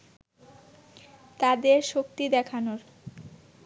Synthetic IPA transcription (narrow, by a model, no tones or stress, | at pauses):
t̪ad̪eɾʃok̚t̪id̪ɛkʰanoɾ